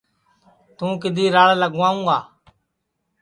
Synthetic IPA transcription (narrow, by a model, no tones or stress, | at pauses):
t̪ũːkɪd̪ʱiːɾaːɭləɡʋãːũːaː